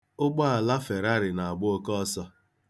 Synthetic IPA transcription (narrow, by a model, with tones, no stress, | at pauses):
ʊ˦ɡ͡bɔ˦a˨la˦fe˨ɾa˦ɾɪ˨na˨a˨ɡ͡bʊ˦o˦kɔ˦ɔ˦sɔ˦